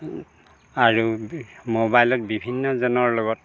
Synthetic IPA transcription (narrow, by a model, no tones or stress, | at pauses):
aɹumobajlɔt̚bibʱinːɔzɔnɔɹloɡɔt̚